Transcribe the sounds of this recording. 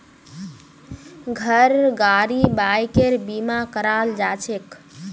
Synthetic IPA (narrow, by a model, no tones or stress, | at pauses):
ɡʱəɾɡaɾibajkeɾbimakəɾald͡ʒat͡ʃʰek